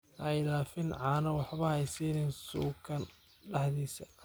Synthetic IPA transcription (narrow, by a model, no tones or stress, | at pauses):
ʔɛjlaːfɪnʕɑːnɐwɑħβɐhɛjsiːnɛnsuːkʰɐn | ɖɑħðiːsɐ